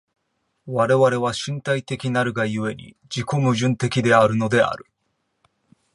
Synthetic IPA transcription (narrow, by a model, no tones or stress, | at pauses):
βaɾe̞βaɾe̞βaɕĩnt̪ait̪e̞kʲinaɾɯ̟ɡajɯ̟e̞ɲʲḭ | d͡ʑiko̞mɯ̟ʑɨ̃nt̪e̞kʲid̪e̞aɾɯ̟no̞d̪e̞a̰ɾɯ̟